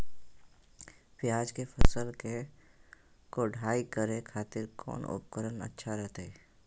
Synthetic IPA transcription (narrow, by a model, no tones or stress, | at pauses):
pɪjaːd͡ʒkepʰəsəlke | koɖʱaːikəɾẽkʰaːt̪ɪɾkʰɔ̰ːnʊ̰p̚kəɾənə̰tːʃʰaɾɛɦt̪eɛː